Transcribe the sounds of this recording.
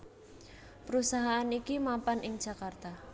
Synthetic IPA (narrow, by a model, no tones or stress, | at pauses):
pəɾusaɦaʔanikimampanɪŋd̥ʒ̥a̤kart̪a